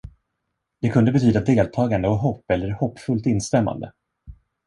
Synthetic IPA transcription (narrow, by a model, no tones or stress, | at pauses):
d̪̥ɛkʰɵnd̪əbɛt̪ʰyːd̪ad̪eːlt̪ʰɑːɡand̪əɔɦɔpːɛlːəɾhɔpːfɵlt̪ɪnst̪ɛmːa̰nd̪ə̰